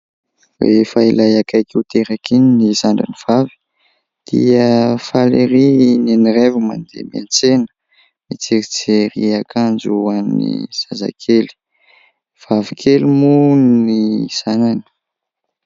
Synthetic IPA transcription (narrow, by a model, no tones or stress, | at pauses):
wefailajakajkewt̪eɾakinnizaɳɖ͡ʐaniv̥avi̥ | d̪̥ḭəfaleɾineniɾevuma̰nd̪ḛmḛnt͡senə̥ | mit͡siɾit͡seɾiakʰand͡ʒuanːḭz̥aza̰kʰeli̥ | v̥avikʰelimunisanani̥